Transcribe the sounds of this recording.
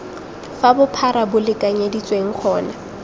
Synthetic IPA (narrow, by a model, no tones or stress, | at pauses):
fabʊpʰaɾabʊlɪkʼaɲedit͡sʼweŋ̩k͡xʰɔːna